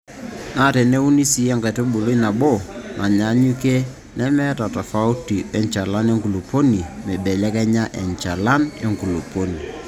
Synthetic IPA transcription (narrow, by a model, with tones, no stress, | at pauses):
na˦˨tɛ˨ne˦u˦ni˦si˦ɛ˦ŋka˨te˦ɓu˨lo˦i˦na˨ɓo˦˨nʔa˨ɲa˨˦ɲu˦ke˦ | nɛ˦mɛ˦ta˨ta˨fa˦u˦ti˨ɛ˦ɲt͡ʃa˨la˦ne˦ŋku˨lo˨po˦ni˨mɛ˨ɓɛ˨lɛ˦kɛ˦ɲa˦ʔɛ̰˨ɲt͡ʃa˨la˦ne˦ŋku˨lo˨po˦ni˨